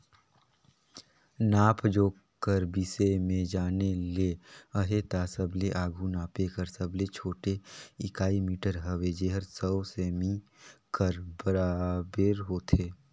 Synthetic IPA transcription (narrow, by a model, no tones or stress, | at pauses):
naːpʰd͡ʒoː | kəɾbisemẽd͡ʒaːneleəɦet̪asəbleʔaːɡʱunaːpekəɾsəblet͡ʃʰoːʈeɪkaːimiːʈəɾɦəʋed͡ʒeːɦəɾsəseːmikəɾbəɾabeɾɦoːt̪ʰeː